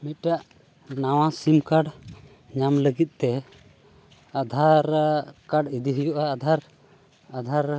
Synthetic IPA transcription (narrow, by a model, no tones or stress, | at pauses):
mit̪̚ʈaʔ | nawãsimkaɖ | ɲamləɡit̪̚ˀt̪ɛ | ad̪ʱaɾkaɖid̪iɦəjuʔaːd̪ʱaɾ | ad̪ʱaɾ